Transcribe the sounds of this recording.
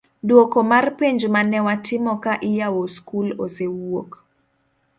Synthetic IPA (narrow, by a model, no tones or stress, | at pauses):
dwokomarpiɲd͡ʒmanɛwatʰɪmɔkaʔɪjawoskulosewok